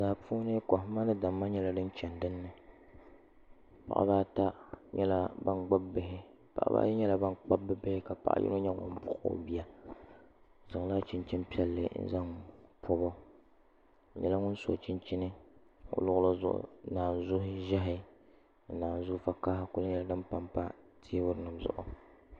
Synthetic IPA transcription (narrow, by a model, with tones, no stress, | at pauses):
zaː˨pu˦nɨ˦kɔ˨ɦma˦nɨ˦da˨mːa˦ɲɛ˦la˨dɨ˦n˦t͡ʃɛ˨ndɨ˦nːɨ˨ | pa̰˨ʔa̰˦baː˦ta˦ɲɛ˦la˦ba˦nɡ͡ba˦bbɪ˨ɦɪ˦ | pa̰˨ʔa̰˦ba̰˦ɲɛ˦la˨˦ba˦nk͡pa˦bːɨ˦bɪ˦hɪ˦ka˨pa̰˨ʔa̰˦jʔɪ̰˦no˦ɲɛ˦ŋɔ̰˨m˦pʊ˦ʔbi˦a˦ | zɨ˨ŋ˦la˦t͡ʃɪ˦nt͡ʃɪ˦npi˦ɛ˦lːɨ̰˨n̩̰˦za˦ŋpʰo˦bɔ˦˨ | ɲɛ˨la˦ŋʊ˦n˦so˨t͡ʃɪ˦nt͡ʃɪ˦nɨ˦o̰˦lʊ˦ɣʊ˦la˦zʊ̰˨ʔʊ̰˨˦naː˨n˨zʊ˦hɪ˦ʒɛ˦ɦɪ˦˨ | naː˨n˨zʊ˦fa˨ka˦kʊ˦lɪ˦ɲɛ˨la˨dɨ˦mpa˦mpa˦ | tʰe˦bʊ˦ɾnɨ˨mzʊ̰˨ʔʊ̰˨